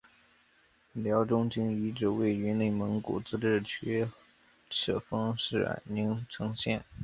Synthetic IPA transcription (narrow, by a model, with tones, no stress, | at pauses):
ljɑ˧˥ʊʈ͡ʂʊ˥ŋt͡ɕi˥ŋi˧˥ʈ͡ʂɻ̩˥˩we˥˧˩ɪy˧˥ne˥˩ɪmə˧˥ŋkṵ˨˩t͡sɹ̩˥ʈ͡ʂɻ̩˥˩t͡ɕʰɛ˥ | ʈ͡ʂʰɤ̰˨˩fɑ˥ŋʂɻ̩˥˩a̰˨˩ɪni˧˥ŋt͡sʰɤ˧˥ŋɕjɛ̰˥˩n